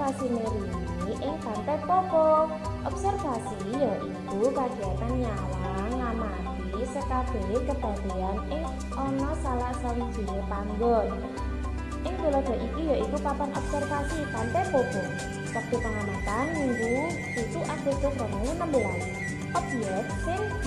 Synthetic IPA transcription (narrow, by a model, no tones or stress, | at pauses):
asimeɾiniʔɪŋp̪ant̪ɛpɔb̥ɔ | ʔɔbsɛrfasijɔʔikukad̥iat̪anjalaŋːama̰ | ɡ̥isəkab̥e̤lekəb̥a̤d̪̥eanɪŋ | ɔnɔsalahsawid̥ʒ̥i̤nep̪aŋɡɔn | ʔɪŋb̥̪ulɔɖ̪̥ɔ̤ʔikijaʔikupapanʔɔb̥sərfasipant̪ɛpɔb̥ɔ | sək̚d̪̥i̤paŋanat̪anːiŋɡu | ik̪uʔad̪̥ɛd̪̥ɔsɾanawunəmbulane | ab̥i̤ɛt̪̚sɪŋ